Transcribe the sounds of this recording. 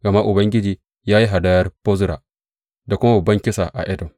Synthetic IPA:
ɡɐ˨ma˦ʔʊ˨bɐ˦ŋɡʲɪ˦d͡ʒiː˨ | jaː˦ji˦ɦa˨da˦jɐ˦rpo˦zʊ˦ɾa̰˨ | da˨kʷʊ˦ma˦bɐ˨bːɐ˦ŋkʲɪ˦sa̰˨ʔa̰˨ʔɛ˦dɔ˨m

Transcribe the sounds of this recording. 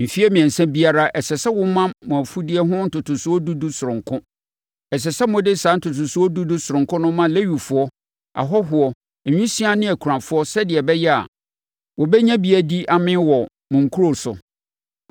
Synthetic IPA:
m̩˨fi˦ɛ˦mĩ˨ɛ̃˨n˨sã˦bi˦a˦ɾa˦ʔɛ˨sɛ˨sɛ˦wʊ˦mã˦mʊ̃˨fu˦dɪ˦ɛ˦ɦʊ̃˦n̩˨tʰʊ˨tʰʊ˨sʊ˦ɔ˦du˦du˦sʊ˨ɾʊ̃˨ŋkʰʊ̃˦ | ɛ˨s̬ɛ˨sɛ˦mʊ̃˦dɪ˦˨sã˨˦n̩˦tʰʊ˨tʰʊ˨sʊ˦ɔ˦du˦du˦sʊ˨ɾʊ̃˨ŋkʊ̃˦nʊ̃˦mã˦˨le˦ɥu˨fʊ˦ɔ˦ | a̰˨ɦɔ˦ɦʊ˨ɔ˦˨ | ɲᶣũ˦si˦a˦nɪ̃˦æ˨kʰu˨ã˨fʊ˦ɔ˦sɛ˦dɪ˨ɛ˨bɛ˦jɛ˦a̰˨ | wɔ˨bɛ˦ɲã˦bi˦a˨di˦ʔa˨mɪ̃˦wɔ˨ | mʊ̃˨ŋ̩˨kʰu˦ɾo˨sʊ̰˨

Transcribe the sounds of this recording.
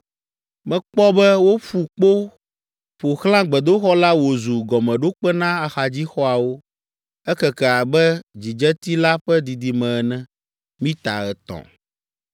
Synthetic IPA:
mɛ̃˨k͡pɔ˦bɛ˦wo˦ɸu˨k͡po˦ | ɸo˨xlã˦ɡ͡bɛ˨d̪o˦xɔ˦la˦wo˨zu˨ɡɔ˨mɛ̃˨ɖo˦k͡pɛ˦nã˦a˨xa˨d͡ʑi˦xɔ˦a˨wo˦ | ɛ˦kɛ˨kɛ˨a˨bɛ˦d͡ʑi˨d͡ʒɛ˦t̪i˦la˦ɸɛ˦d̪i˨d̪i˨mɛ̃˨ɛ˨nɛ̃˦ | mĩ˦t̪a̰˨ɣɛ˨t̪ɔ̰̃˨

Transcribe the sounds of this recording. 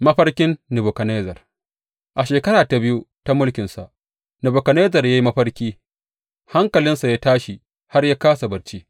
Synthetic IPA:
mɐ˦ɸɐ˦rkʲɪ˦nːɪ˨bʊ˨kɐ˨neː˦zɐ˨r | ʔa˨ʃeː˨kɐ˦ɽaː˨ta˨bɪ˦ju˦ta˦mʊ˦lkʲɪ˨nsa̰˨ʔ | nɪ˨bo˨kɐ˨ne˦zɐ˨rja˦ji˦mɐ˦ɸɐ˦rkʲiː˦ | ha˦ŋkɐ˨lɪ˦nsa˨jaː˦taː˦ʃi˨ | ha˦rjaː˦kaː˦sa˨bɐ˨ɾt͡ʃiː˦

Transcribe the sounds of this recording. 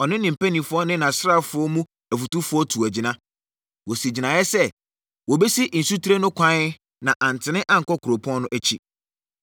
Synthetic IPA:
ɔ˨nɪ̃˦nɪ̃˨m̩˨pæ˦nĩ˨fʊ˦ɔ˦nɪ̃˦nã˨sɾa˦˨fʊ˦ɔ˦mũ˦ | æ˨fu˨tu˦fʊ˦ɔ˦tʰu˨æ˨d͡ʑi˨nã˦ | wo˨si˨d͡ʑi˨nã˨jɛ˦sɛ˦ | wɔ˨be˦si˦n̩˨su˦tʰe˦nʊ̃˦kʷʰã˦ | nã˨ʔã˨n˨tʰɪ˨nɪ̃˦ʔã˦ŋ̩˨kɔ˦kʰʊ˨ɾo˨pʰɔ̃˦n˦nʊ̃˦ʔæ˦t͡ɕʰi˦

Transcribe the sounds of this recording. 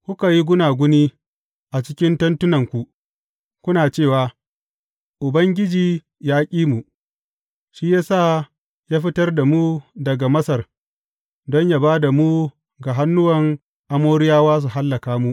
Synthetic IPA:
kʷʊ˦ka˨ji˦ɡʷʊ˦naː˨ɡʷʊ˦niː˦ | ʔa˨t͡ʃɪ˦kʲɪ˦ntɐ˦ntʊ˦nɐ˨ŋkʷu˨ʔ | kʷʊ˦naː˨t͡ʃeː˦˨waː˨ | ʔʊ˨bɐ˦ŋɡʲɪ˦d͡ʒiː˨ | jaː˦kʲʼiː˦mu˨ʔ | ʃi˦jaː˦sa˦˨ | jaː˦ɸɪ˦tɐ˦rda˨mu˦dɐ˨ɡa˨mɐ˦sɐ˨r | dɔ˦ɲja˦baː˦da˨mu˦ | ɡa˨ɦa˦nːʊ˦wɐ˨ŋ | ʔa˦moː˦ɾɪ˦jaː˦waː˦s̬u˨ɦa˦lːɐ˨kaː˦mu˦ʔ

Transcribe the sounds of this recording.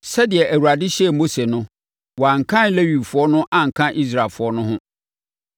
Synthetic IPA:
sɛ˦dɪ˨ɛ˨ʔæ˨wu˨ɾa˨dɪ˦ɕɛ˦˨mo˦se˨nʊ̃˦ | wɔ˨a˨ŋ̩˨kʰã˦n˦le˦wi˨fʊ˨˦ɔ˦nʊ̃˦ʔã˨ŋ̩˨kʰã˦ʔi˦s̬ɾa˨fʊ˨˦ɔ˦nʊ̃˦ɦʊ̃˦

